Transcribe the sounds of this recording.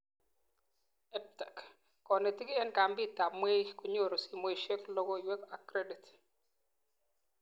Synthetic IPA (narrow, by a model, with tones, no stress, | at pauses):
ɛ˦p̚ta˨k | kɔ˨nɛ˨tɪ˦kɪ˦ɛ˦nka˨mbi˦˨ta˨mwe˦jku˨ɲo˦˨ɾɔ˨si˨mo˦˨ʃe˦klɔ˦ɡo˦˨wɛ˦ka˨kɾe˦di˨t